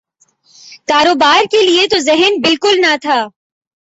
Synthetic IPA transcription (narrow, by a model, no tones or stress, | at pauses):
kaːɾoːbaːɾkeliet̪ozɛɦənbɪlkʊlnat̪ʰaː